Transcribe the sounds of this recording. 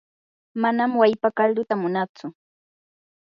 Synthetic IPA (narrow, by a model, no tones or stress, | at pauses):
manamwajpakald̪ʊt̪amʊnat͡sʊ